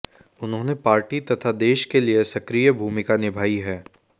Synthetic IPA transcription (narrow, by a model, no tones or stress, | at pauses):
ʊnɦõːnepaːɾʈit̪ɐt̪ʰad̪eːʃkeliesɐkɾijəbʱuːmɪkanɪbʱaːiɦɛː